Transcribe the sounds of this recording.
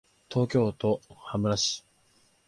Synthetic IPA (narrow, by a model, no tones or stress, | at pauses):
t̪ʰo̞ːkʲo̞ːt̪o̞hamɯ̟ɾaɕi̥